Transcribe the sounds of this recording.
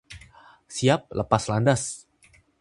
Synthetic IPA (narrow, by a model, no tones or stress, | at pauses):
siap̚ləpaslandas